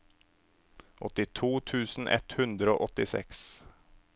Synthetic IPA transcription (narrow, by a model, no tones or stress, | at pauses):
ʔɔt̪ːɪt̪ʰuːt̪ʰʉːsn̩ʔɛ̰t̪hʉnd̪ɾəo̰ːʔɔt̪ːɪsɛ̰ks